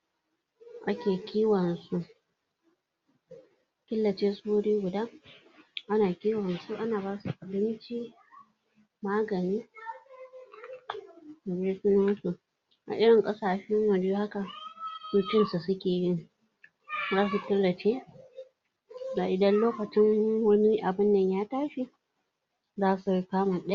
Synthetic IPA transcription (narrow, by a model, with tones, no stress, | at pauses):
ʔa˦kʲeː˨kʲʰiː˦wɐ˨nsu˦ʔ | kʲɪ˦lːɐ˨t͡ʃeː˦sʼʊ˦uː˦ɽiː˦ɡʷʊ˨daː˦ | ʔa˦naː˨kʲiː˦wɐ˨nsu˦ʔa˦naː˨ba˦su˨ʔa˨bɪ˦nt͡ʃi˦ | maː˦ɡɐ˨niː˦ | da˨bɽe˦sɪ˦na˦nsu˨ | ʔa̰˨ʔɪ˦ɽɪ˨ŋkʼɐ˦saː˨ʃɛ˦ŋwɐ˨ɽju˦ha˦ka˨suː˦kʲɪ˦nsu˨sʊ˦kʲeː˨jɪ˦ŋ | zaː˦s̬u˨kʲɪ˦lːɐ˨t͡ʃeː˦ | ɡaː˨ʔɪ˨dɐ˦nloː˦kɐ˨t͡ʃɪ˦ŋwɐ˦ni˦ʔa˨bɪ˦nːɐ˨ɲjaː˦taː˦ʃi˨ | zaː˦su˨kaː˦ma˨ɗ